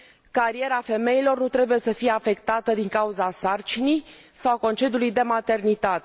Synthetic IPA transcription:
kaɾie̞ɾafe̞me̞ilo̞rnut̪ɾe̞buje̞səfije̞afe̞kt̪at̪əd̪iŋkauzasart͡ʃinij | sawako̞nt͡ʃe̞d̪julujd̪e̞mat̪e̞rnit̪at̪e

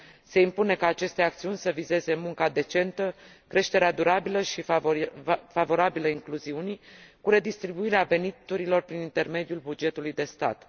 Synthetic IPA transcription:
se̞impune̞kaːt͡ʃe̞st̪e̞akt̪siunʲsəvize̞ze̞muŋkad̪e̞t͡ʃe̞nt̪ə | kɾe̞ʃt̪eɾead̪uɾabiləʃi | favo̞ɾabiləiŋkluziunikuɾe̞d̪ist̪ɾibuiɾeave̞nit̪uɾilo̞rpɾinint̪e̞rme̞d̪ijulbud͡ʒe̞t̪ulujd̪e̞st̪a̰t̪

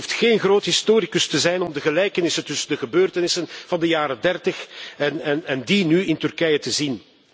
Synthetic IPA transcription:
uftxeːnɣroːtɦɪstoːɾikɵstəzɛjnɔmdəɣəlɛjkənɪsəntɵsəndəɣəbøːrtənɪsənv̥ɑndəjaːɾədɛrtəxɛnɛnɛndinyɪntʏrkɛjətəzin

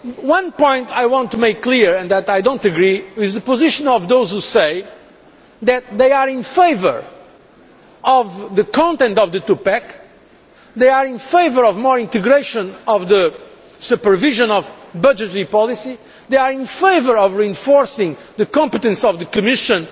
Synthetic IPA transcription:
wʌ̃npɔ̃ɪ̃nt̪ʰajwɑ̃nt̪ːumeɪkːliɹɛ̃nðæt̪ajdõntɨɡɹiɪzðɨpozɪʃɔ̃nɔvðoʊzhuseɪ | ðɨt̪̚ðeɪaɾĩnfeɪvə̰˞ | ɔvðɨkʰɑ̃nt̪ɛ̃nt̪ɔvðɨt̪upɛk | ðeɪaɾĩnfeɪvə˞ɔvmɔɹĩnt̪ɨɡɾeʃɨ̃nɔvðɨ | supə˞viʒə̃nɔvbʌd͡ʒɨtəɹipɔlˠisi | ðeɪaɹĩnfeɪvə˞ɔvɹiɨ̃ɱfɔɹsɪ̃ŋðɨkɑ̃mpət̪ɨ̃nsɔvðɨkɨmɪʃɨ̃n

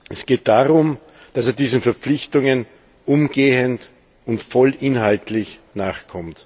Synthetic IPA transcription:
ʔɛsɡ̥eːt̚d̥aːʁʊm | d̥aseːɐdiːzn̩fɛɐp͡flɪçtʊŋən | ʔʊmɡeːənt | ʊntfɔlʔɪnɦaltlɪçnaːχkʰɔmt

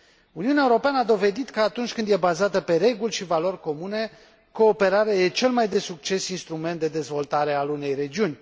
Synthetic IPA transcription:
uniunaeuɾo̞peanəad̪o̞ve̞d̪it̪kəat̪unt͡ʃʲkɨnd̪je̞bazat̪əpe̞ɾe̞ɡulʲʃivalo̞rʲko̞mune̞ | ko̞ːpe̞ɾaɾajet͡ʃe̞lmajd̪e̞suk̚t͡ʃe̞sinst̪ɾument̪d̪e̞d̪e̞zvo̞lt̪aɾe̞alune̞jɾe̞d͡ʒiunʲ

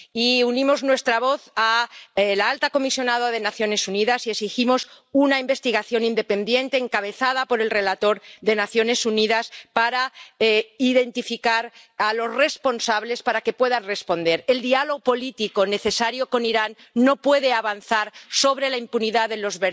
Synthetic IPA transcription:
iunĩmo̞znwe̞st̪ɾaβo̞θalaalt̪ako̞misjo̞nað̞aðe̞naθjo̞ne̞suniðasiesiximo̞s | unaimbe̞st̪iɣaθjo̞nind̪e̞pe̞nd̪je̞nt̪e̞ːŋkaβe̞θað̞apo̞ɾe̞lre̞lat̪o̞ɾðe̞naθjo̞ne̞suniðaspaɾa | iðe̞nt̪ifikaɾalo̞sre̞spo̞nsaβle̞spaɾake̞pwe̞ðanre̞spo̞nd̪e̞ɾe̞ld̪ialoɣopo̞lit̪iko̞ne̞θe̞saɾjo̞ko̞niɾanː | o̞pwe̞ðe̞aβanθaɾso̞βɾe̞laimpuniðaðelo̞zβe

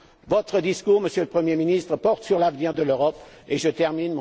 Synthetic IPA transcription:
vɔt̪χəd̪iskuʁməsjøləpχəmjeminist̪χəpɔʁt̪syʁlavniʁd̪əløʁɔpeʒət̪ɛʁminm̃

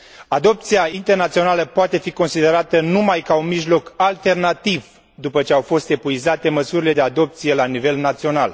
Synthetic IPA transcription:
ad̪o̞p̚t̪sijaint̪e̞rnat̪sio̞naləpoat̪e̞fiko̞nsid̪e̞ɾat̪ənumajkaunmiʒlo̞kalt̪e̞rnat̪iv | d̪upət͡ʃe̞awfo̞st̪e̞puizat̪e̞məsuɾile̞d̪e̞ad̪o̞p̚t̪sije̞lanive̞lnat̪sio̞na̰l

